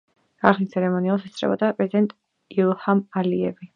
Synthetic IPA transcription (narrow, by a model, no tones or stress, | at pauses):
ɡaʁlist̪sʰɛɾɛmɔnialˠsɛt̪sʼɾɛ̰bɔ̰d̪apʼɾɛzid̪ɛnt̪ʼ | ilˠhamaliɛvi